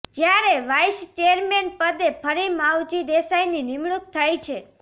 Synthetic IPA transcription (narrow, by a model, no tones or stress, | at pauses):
d͡ʒjaɾeʋajst͡ʃejəɾmenpəd̪epʰəɾimawd͡ʒid̪esajninimɭuk̚t̪ʰajt͡ʃʰe